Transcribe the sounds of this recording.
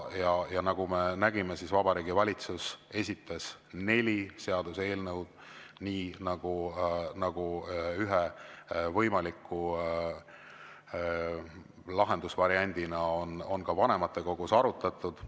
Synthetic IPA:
jɑjɑnɑɡ̥ume̞næɡime̞sisvɑbɑɾiːɡivɑlʲit̪suse̞sʲit̪ːˑɑsne̞lʲise̞ɑd̪̥use̞ːlnɤwd̪̥niːnɑɡ̥unɑɡ̥uyɦevɤjmɑlikːu | lɑɦe̞nd̪usvɑɾiɑnʲd̪̥inɑono̞nkɑvɑne̞mɑt̪ːˑe̞ko̞ɡ̥usɑɾut̪ːˑɑt̪ːˑud̪̥

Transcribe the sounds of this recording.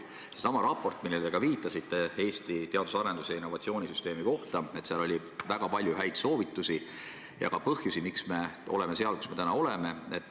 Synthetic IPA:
se̞sɑmɑɾɑpːo̞rt̪ˑmilːeld̪eɡ̥ɑviːt̪ːˑɑsit̪ːˑe̞e̞ːst̪it̪e̞ɑd̪usɑɾe̞nd̪usejɑinːo̞vɑt̪sio̞ːnʲisyst̪e̞ːmiko̞ht̪ɑe̞t̪seɑlo̞lʲi | væɡ̥ɑpɑlʲjuɦæjd̪̥so̞ːvit̪ːˑusi | jɑ̰kɑpɤhjusimiksme̞o̞̰le̞me̞se̞ɑlku̥sme̞t̪ænɑo̞leme̞et̪ːˑ

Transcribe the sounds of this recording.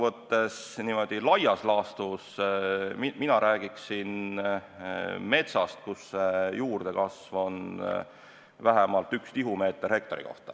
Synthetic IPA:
vɤt̪ːe̞sniːmo̞d̪̥ilɑjɑslɑːst̪usmiminɑɾʔæːɡ̥iksin | me̞t̪sɑst̪̚kusːejuːrd̪̥e̞kɑsvo̞n | væɦemɑlt̪ːˑykst̪iɦume̞ːt̪ːˑerhek̚t̪o̞ɾḭko̞̰ht̪ɑ̥

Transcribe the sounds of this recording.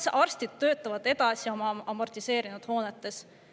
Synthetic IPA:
sɑrst̪id̪̥̚t̪ːø̞ːt̪ːˑɑvɑd̪̥e̞d̪̥ɑsio̞mɑɑmo̞rt̪ise̞ːɾinud̪̥ho̞ːnet̪ːˑe̞s

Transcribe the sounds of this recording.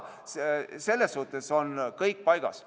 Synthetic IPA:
sse̞lːesːuht̪ːˑeso̞nkɤjk̚pɑjɡ̥ɑ̰s

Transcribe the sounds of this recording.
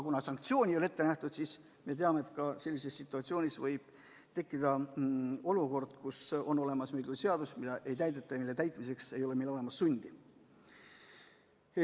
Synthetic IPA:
kunɑsɑŋk̚t̪sio̞ːnʲiole̞t̪ːe̞næht̪ud̪̥sis | me̞t̪̬eɑmeːt̪ˑkɑse̞lʲːise̞sːit̪ːˑuɑt̪sio̞ːnʲisvɤjb̥ | t̪e̞kːid̪̥ɑ | o̞luko̞rd̪̥kuso̞no̞le̞mɑsmejɡ̪use̞ɑd̪̥usmid̪̥ɑʔe̞jt̪æjd̪et̪ːˑɑjɑmilːe̞t̪æjt̪ˑmise̞kse̞jo̞le̞melo̞lemɑsːunʲd̪̥i

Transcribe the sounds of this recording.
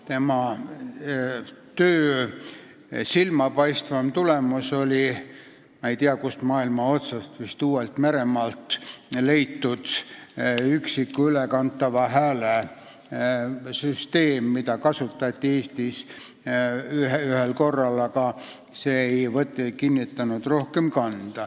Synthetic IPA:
t̪e̞mɑ | t̪øː | silmɑpɑjst̪vɑmt̪ulemuso̞lʲi | mɑe̞jt̪iɑkust̪mɑːilmɑo̞t̪sɑst̪vist̪uːwelt̪me̞ɾe̞mɑlt̪le̞jt̪ːud̪̥ | yksikːuylekɑnt̪ːˑɑvɑɦæːle | syst̪e̞ːmːid̪ɑkɑsut̪ːˑɑt̪ʲːieːst̪is | yhyhelko̞rːɑlɑkɑ | se̞ejvɤt̪ːkinːit̪ːɑnud̪̥ro̞hkemkɑnd̪̥ɑ

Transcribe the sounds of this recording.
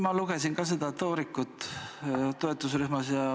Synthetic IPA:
mɑluɡ̥e̞sinkɑs̬ed̪̥ɑt̪oːɾikːˑut̪ː | t̪o̞e̞t̪ːˑusryhmɑsjɑ

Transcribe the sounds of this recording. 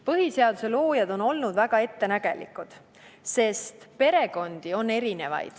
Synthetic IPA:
pɤɦise̞ɑd̪̥use̞lo̞ːjɑd̪̥o̞no̞lnud̪væɡ̥ɑe̞t̪ːe̞næɡ̥e̞̰lḭkˑud̪̥ | se̞st̪pe̞ɾe̞ɡ̥o̞nd̪̥io̞nːe̞ɾine̞vɑ̰jd̪̥

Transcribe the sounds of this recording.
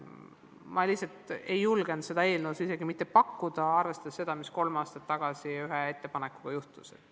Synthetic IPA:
mʔɑlihsɑlt̪ejːulɡ̥end̪se̞d̪ɑe̞ːlnusise̞ɡimit̪ːepɑkːud̪̥ɑɑrve̞st̪ɑd̪esːe̞d̪̥ɑmisko̞lmɑːst̪ɑt̪ːɑɡ̥ɑsiyɦee̞t̪ːe̞pɑne̞kːu̥ɡ̥ɑjuht̪uset̪ː

